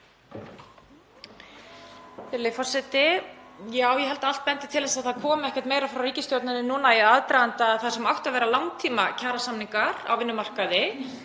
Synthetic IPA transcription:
ɪɾlɪfɔr̥sɛt̪ɪjaːwjɛɦɛlt̪aal̥t̪̚pɛnt̪ɪ̥t̪ʰɪlɛsaðθaðkʰɔːmɪɛhcɛɾ̥t̪meːjɾafɾawriːcɪst̪jowt̪nanɪnuːnajɛðaðt̪ɾajðant̪aθḁsɛmawht̪avɛːɾalawŋt̪ʰiːmacʰaːɾasamniŋkaɾa̰wvɪnːʏmar̥kaðɪ

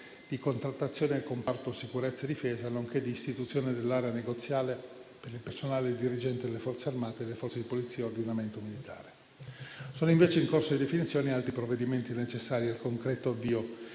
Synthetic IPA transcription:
d̪̥ikont̪ɾat̪ːat̪sːjoːneekompart̪osikuɾet̪sːed̪ifeːzanoŋked̪iːst̪it̪ut̪sːjoːned̪elːaɾeaneɡot̪sːjaːlepeɾilpersonaːled̪iɾid͡ʒɛnt̪ed̪elːefɔrt̪searmaːt̪ed̪lːefɔrt̪sed̪ipolit̪sːiːeord̪inament̪omilit̪ʰa̰ːɾe | soːnoĩɱveːt͡ʃeiŋkorsod̪id̪efinit̪sjoːnialt̪ɾipɾovːed̪iment̪inet͡ʃesːaːɾialkoŋkɾɛt̪oavːiːo

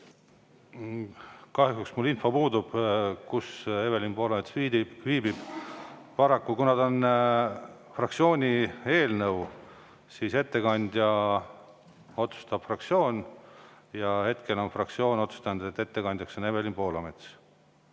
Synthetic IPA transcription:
kɑhjuɦuksmulːinfo̞puːd̪ub̥kuseve̞lʲimpo̞ːlɑmet̪sviːd̪iviːbib̥pɑɾɑkːukunɑd̪o̞n | frɑkt̪sijo̞ːnʲie̞ːlnɤw | siːse̞t̪ːe̞kɑnʲd̪̥ʲjɑ | o̞t̪su̥st̪ɑb̥frɑkt̪sio̞ːnʲ | jɑhe̞t̪ke̞lo̞nfrɑkt̪sio̞ːnʲo̞t̪su̥st̪ɑnud̪̥et̪ːe̞t̪ːe̞kɑnd̪jɑkso̞ne̞ve̞limpoːlɑme̞t̪s

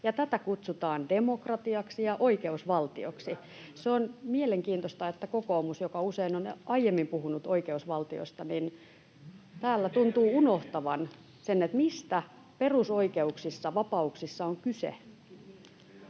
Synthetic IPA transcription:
jɑt̪æt̪ækut̪sut̪ɑːndemokrɑt̪iɑksijɑʔoikeusʋɑlt̪io̰ksi | seonmieleŋkiːnt̪ost̪ɑet̪ːækokoːmusjokɑuseinonɑijemːimpuhunut̪oikeusʋɑlt̪io̰st̪ɑnin | t̪æːlːæt̪unt̪uːunoht̪ɑʋɑn | senːet̪mist̪æ | perusoikeuksisːɑʋɑpɑuksisːɑoŋkysḛ

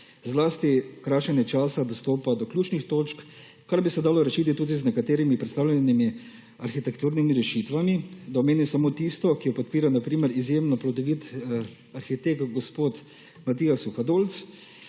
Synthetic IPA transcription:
zlaːst̪ikɾaːʃɛnjɛt͡ʃaːsad̪ɔst̪oːpad̪ɔklʲjuːt͡ʃnixt̪oːt͡ʃk | kaɾbisɛd̪aːlɔɾɛʃiːt̪it̪uːd̪iznɛkat̪eːɾimipɾɛt̪st̪aːwlʲɛnimi | aɾxit̪ɛkt̪uːɾnimiɾɛʃit̪ʋamid̪aɔmeːnisamoːt̪ist̪ɔkijɔpɔt̪̚piːɾanapɾiːmɛɾizjemnɔplɔd̪ɔʋiːt̪ | aɾxit̪ekɡɔspoːt̪ | mat̪iːasuxad̪oːlt̪s

